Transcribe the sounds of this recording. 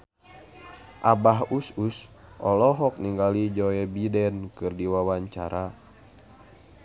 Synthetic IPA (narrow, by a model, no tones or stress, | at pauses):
ʔabaɦusus | ʔɔlɔɦɔk̚niŋɡalid͡ʒɔɛbidɛnkɨrdiwawaɲt͡ʃa̰ɾa